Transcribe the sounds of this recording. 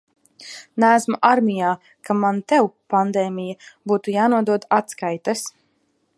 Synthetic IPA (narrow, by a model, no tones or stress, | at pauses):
nææsmuʔaɾmʲijaː | kamant̪ɛwpand̪ɛːmʲijabuːt̪ujaːnuɔd̪uɔd̪at̪skajt̪as